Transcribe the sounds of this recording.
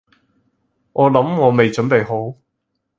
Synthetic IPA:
ʔɔː˨˧lɐ˨˥mŋɔː˨˧me˨jt͡ʃɵ˨˥npe˨˧jɦo˨˥w

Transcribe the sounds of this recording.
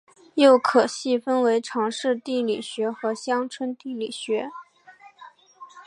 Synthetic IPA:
jo˥˩ʊkʰɤ˨˩ɕi˥˩fə˥nwe˧˥ɪʈ͡ʂʰɑ˧˥ŋʂɻ̩˥˧t̪i˥˩li˨˩ɕɥɛ˧˥xɤ˧˥ɕjɑ˥ŋʈ͡ʂʰwə˥nt̪i˥˩li˨˩ɕɥɛ˧˥

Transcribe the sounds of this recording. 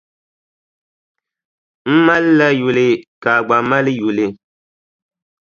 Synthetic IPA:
m̩˦ma˦lːa˦ju˨lɪ˨ka˨ɡ͡ba˨ma˦lɨ˦ju˨lɪ˨

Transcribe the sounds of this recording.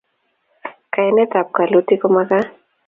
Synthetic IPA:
ka˨jnɛ˦t̪a˨p̚ka˨lo˦t̪i˦ko˦ma˦ka˦

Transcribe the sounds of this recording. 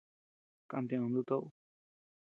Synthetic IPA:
kã̰˧nt̪ẽ˧ũ˧d̪u˦˧t̪o˦ʔu˦

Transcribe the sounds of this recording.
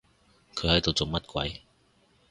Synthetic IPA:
kʰə˨˥jha˧˥˩jt̪o˨˩t͡sʊ˨˥ŋŋ͡mmɐ˥t̚kwa̰˨˥j

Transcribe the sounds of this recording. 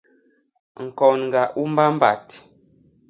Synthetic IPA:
ŋ̩˨kɔ˨nŋ˨ɡa˨ʔu˦m˦ba˦m̩˦ba̰˨t

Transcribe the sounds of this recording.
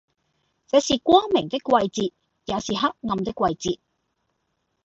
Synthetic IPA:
t͡sɛː˨˧˥siː˨kʷwɔː˥ŋmɪ˨˩ŋt̪ɪ˥kʷːwɐ˧jt͡siː˨˧t̚ | jaː˨˧siː˨ɦɐ˥k̚ŋɐ˧mt̪ɪ˥kːwɐ˧jt͡siː˨t̚

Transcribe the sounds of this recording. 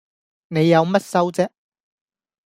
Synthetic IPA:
ne˨˧jːɐ˨˧wmɐ˥t̚sɐ˥wt͡sɛː˥k̚

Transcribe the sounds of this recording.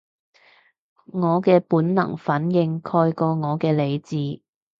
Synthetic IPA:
ŋɔː˨˧kɛː˧puː˨˥nnɐ̰˨˩ŋfɐ˨˥njɪ˧ŋkʰɔː˧jkɔː˧ŋɔː˨˧kɛː˧le˨˧jt͡siː˧

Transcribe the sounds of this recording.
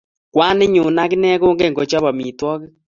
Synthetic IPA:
kwaː˦ne˦ɲo˨na˦ki˦nɛ˦ɣoː˦ŋɡe˦˨ŋɡo˨t͡ʃa˦βa˨mi˨twɔ˦ɣe˦

